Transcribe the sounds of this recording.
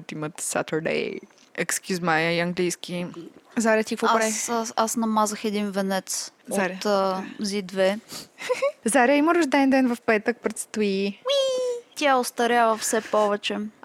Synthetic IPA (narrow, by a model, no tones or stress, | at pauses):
t̪imət̪sa̰t̪əɾd̪ɛ̰j | ɛkskʲuzmajəiɐŋɡlijskʲizaɾiət̪ikvɔpɾaasnɐmazəxɛd̪invɛnɛt̪soɾt̪ːzid̪vɛ | zaɾʲiəiməɾʊʒd̪ɛnd̪ɛnvəfpɛt̪ək̚pɾɛt̪st̪uiwit̪ʲjaʊst̪ɐɾʲjavəfsɛpɔvɛt͡ʃɛ